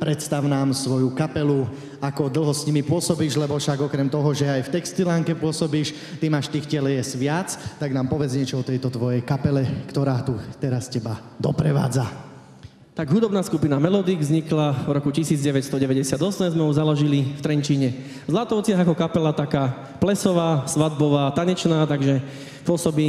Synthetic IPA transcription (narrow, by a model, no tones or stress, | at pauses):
pɾɛt̪st̪aʊnaːmsʋɔjukapɛlu | akɔd̪l̩ˠɦɔsɲimipʊɔsɔbiːʒlɛbɔfʃaɡɔkɾɛmt̪ɔɦɔʒɛajft̪ɛkst̪ilaŋkɛpʊɔsɔbiːʃ | t̪imaːʃt̪iːxcɪɛlɛjɛsʋɪat͡st̪aɡnaːmpɔʋɛd͡zɲɛt͡ʃɔɔt̪ɛjt̪ɔt̪ʋɔjɛjkapɛlɛkt̪ɔɾaːt̪ut̪ɛɾascɛba | d̪ɔpɾɛʋa̰ːd͡za | t̪aɡɦud̪ɔbnaːskupinamɛlɔd̪iːɡzɲiklavɾɔkucisiːd͡zɟɛʋɛcst̪ɔɟɛʋɛɟɛsɪad̪ɔsɛmzmɛuzalɔʒilift̪ɾɛɲt͡ʃiːɲɛ | zlat̪ɔʊt͡sɪaɦakɔkapɛlat̪akaː | plɛsɔʋaːsʋad̪̚bɔʋaːt̪aɲɛt͡ʃnaːt̪aɡʒɛ | pʊɔsɔbiː